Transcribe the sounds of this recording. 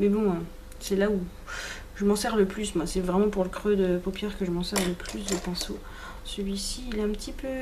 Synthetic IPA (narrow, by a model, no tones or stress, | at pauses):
mɛbɔ̃ | sɛlau | ʒəmɑ̃sɛʁləplysmwasɛvʁɛmɑ̃puʁləkχød̪əpopjɛʁkəʒəmɑ̃sɛʁləpʰlysd̪əpɛ̃so | səlɥisiːlaɛ̃pət̪ʰipø